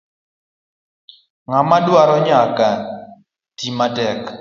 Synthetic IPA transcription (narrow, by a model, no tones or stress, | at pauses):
ŋamadwaɾɔɲaka | timatɛk